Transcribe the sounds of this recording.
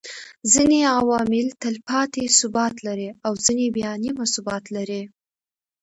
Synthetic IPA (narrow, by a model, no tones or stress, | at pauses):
zineawɑmɪlt̪əlpɑt̪esʊbɑt̪laɾeawzinebjɑnimasʊbɑt̪laɾe